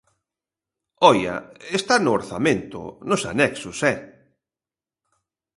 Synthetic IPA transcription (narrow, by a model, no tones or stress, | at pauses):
ɔjɐ̰est̪anʊoɾθamẽnt̪ʊ̰nʊsa̰nɛksʊsɛ